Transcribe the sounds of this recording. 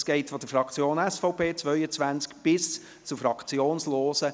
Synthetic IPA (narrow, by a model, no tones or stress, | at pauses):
sɡ̥ɛɪtfɔd̥əfɾɑkt͡sjoːnɛsfɔʊpʰeːt͡svœʏət͡sʋænt͡skb̥ɪs | t͡sufɾɑkʰt͡sjoːnsloːsə